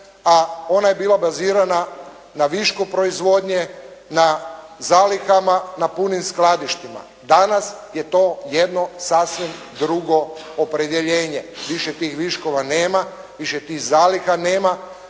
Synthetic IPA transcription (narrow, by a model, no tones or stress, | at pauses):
ao̞najebiːlabaziːɾana | naʋiʃkupɾo̞izʋo̞d̪ɲenazaːlixamanapunimsklˠad̪iʃt̪ima̰ | d̪anasje̞t̪o̞ːjed̪no̞sasʋim | d̪ɾuɡo̞opɾe̞d̪jeʎeːɲeʋiʃet̪iːxʋiʃko̞ʋaneːma | ʋiʃet̪iːxzaːlixane̞ːma